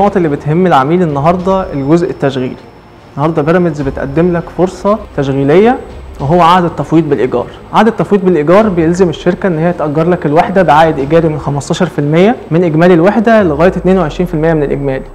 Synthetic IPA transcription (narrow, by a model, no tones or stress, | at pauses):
oːʔt̪ˤʔelːibet̪hemːelʕamiːlenːɑɦɑɾˤd̪ˤɑelɡozʔet̪ːæʃɣḭːli | enːɑhɑɾˤd̪ˤɑbeɾˤæmed̪zbet̪ʔæ̰d̪ːemlækfoɾsˤɑt̪æʃɣiːlejːæweɦowːæʕaʕd̪æt̪ˤːɑfwiːt̪̚ˤbelʔeɡɑ̰ːɾˤʕaʕd̪æt̪ːɑfwiːt̪̚ˤbelʔeɡɑːɾˤbejelzemeʃːeɾkæʔenːhejːæt̪ʔæɡːɑɾˤlækelweħd̪æbeʕaːʔed̪ʔeɡæːɾimenxæmɑsˤt̪ˤɑːʃɑɾˤfilmejːæmenʔeɡmæːlilweħd̪æleɣæːjt̪t̪neːnweʕeʃɾiːnfilmejːæmenelʔeɡmæːli